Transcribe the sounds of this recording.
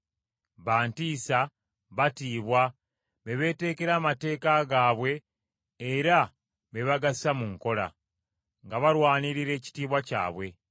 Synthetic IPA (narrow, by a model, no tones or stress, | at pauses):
βaːntiːsa | βatiːβwa | βe̞βe̞ːte̞ːke̞ɾaːmate̞ːkaɡaːβwe̞ː | ɾa | βe̞βaɡasamuŋko̞la̰ | ŋɡaβaɾwaːniɾiɾe̞ːci̥tiːβwaca̰ːβwe̞